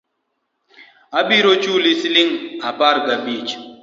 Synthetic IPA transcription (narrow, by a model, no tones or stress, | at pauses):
abiɾot͡ʃulisiliŋapaɾɡabit͡ʃ